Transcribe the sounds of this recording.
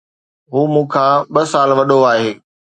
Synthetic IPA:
ɦuːmũːkʰãɓɐsaːlʋɐɗoaːɦeː

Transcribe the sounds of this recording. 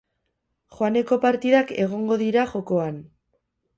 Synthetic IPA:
χoane̞ko̞paɾt̪iðake̞ɣ̞o̞ŋɡo̞ðiɾaʝo̞ko̞an

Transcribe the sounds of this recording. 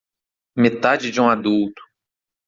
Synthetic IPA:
met̪ad͡ʒɪd͡ʒũad̪uwt̪ʊ̥

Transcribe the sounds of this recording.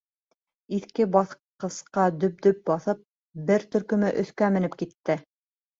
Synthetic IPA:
iθkɘbɑθqɤ̆sqɑd̪ɵ̆p̚d̪ɵp̚bɑθɤp̚ | bɘɾt̪ɵ̆ɾkɵ̆mɘʔɵ̆θkæmɘ̆nɘpkit̪ːɘ

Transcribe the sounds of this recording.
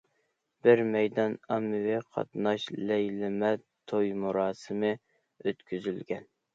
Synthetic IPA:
b̥ɪɾmɛjd̪ɑnɑmːɨwɪqʰɑ̰t̪nɑʃlɛjlɪmɛt̪ʰojmuɾɑːsɨmɨ | øt̪kʲʰyzylɡʲɛn

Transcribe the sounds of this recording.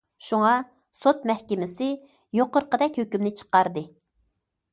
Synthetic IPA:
ʃuŋɑ | sot̪̚mɛhkʲɪmɪsɪ | joqəɾqəd̪ɛkʲhøkʲymnɪt͡ʃʰə̥qɑɾd̪ɨ

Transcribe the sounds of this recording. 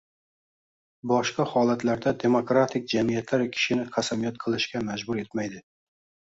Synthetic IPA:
bɒʃqɑhɒlat̪ʰlaɾd̪ad̪e̞mokɾat̪ʰɪk̚ʲd͡ʒamijat̪ʰlaɾkʲʰɪ̥ʃɪnɪqʰasamijat̪̚qʰɨlˠɪʃkʲamad͡ʒbʊɾe̞t̪majd̪ɪ

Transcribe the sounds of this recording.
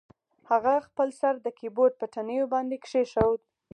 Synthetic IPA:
haɣaxpəlsaɾd̪əkiboʈ̪̚pəʈanəjobɑnd̪ekʂeʃawd̪̚

